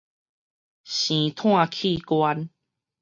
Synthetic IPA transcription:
ɕĩ˨t̪ʰw̃ã˥˧kʰi˥˦˨kwa˦n

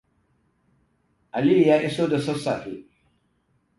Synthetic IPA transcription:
ʔa˨li˦˨jaː˦ʔɪ˦so˦dɐ˨sɔ˦sa˨fḭ˨

